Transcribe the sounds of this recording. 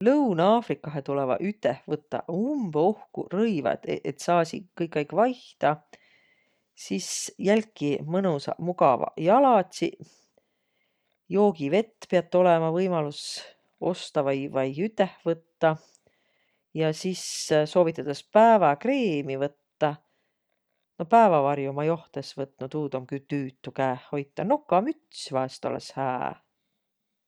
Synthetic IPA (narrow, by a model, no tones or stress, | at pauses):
lɤwnɑːfrikːˑɑɦet̪ulɛvɑ̰ʔyt̪ˑːehvɤt̪ːˑɑ̰umb̥o̞hkṵrɤjvɑ̰t̪et̪sɑːsḭkɤjkˑːɑjkːˑvɑjht̪ɑ | sisjælʲkˑːimɤnusɑ̰muɡɑvɑ̰jɑlɑt̪ʲsi | jo̞ːɡ̥ive̞t̪ːpeɑt̪ːˑo̞lɛmɑvɤjmɑlus | o̞st̪ɑvɑjvɑjyt̪ːˑehvɤt̪ːɑ | jɑsisso̞ːvit̪ːˑɑd̪̥espæːvɑkreːmivɤt̪ːɑ | no̞pæevɑvɑrjumɑjo̞ht̪esvɤt̪nut̪uːd̪omkyt̪yːt̪ˑːukæːho̞jt̪ˑːɑnokːɑmyt̪svɑest̪o̞̰lḛshæ̰ː